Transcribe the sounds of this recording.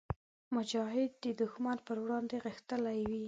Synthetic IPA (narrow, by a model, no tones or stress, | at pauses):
mʊd͡ʒɑɦɪd̪̚ːəd̪ʊxmanpəɾwɽɑnd̪eɣəxt̪əlajwi